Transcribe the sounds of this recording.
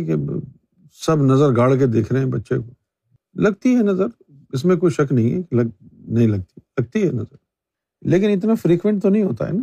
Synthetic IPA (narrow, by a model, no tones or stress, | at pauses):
ke | sɐbnɐzəɾɡaːɽk̬ed̪eːkʰɾɐeɛ̃bɐtːʃḛko | lɐɡt̪iɦɛnɐzəɾ | ɪsmẽkoːiʃɐknɐɦĩɦɛ̰kelɐɡnɐɦĩlɐɡ̚t̪ilɐɡ̚t̪iɦɛnɐzəɾ | leːk̬ɪnɪt̪̬nafɾiːkʋẽɳʈ̚t̪onɐɦĩɦoːt̪a̰ɦɛ̰ːna